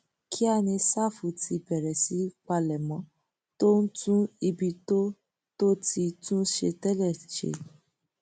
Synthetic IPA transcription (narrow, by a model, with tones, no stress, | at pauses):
kʰi˦a˦˨nĩ˧sa˦˨fu˨˦tʰi˧bɛ˨ɾɛ˨si˨˦k͡pa˧lɛ˨mɔ̃˨˦ | to˦n̩˦tũ˦i˧bi˧to˦ | to˦ti˧tũ˦ʃḛ˧tɛ˦lɛ˦˨ʃḛ˨˦˨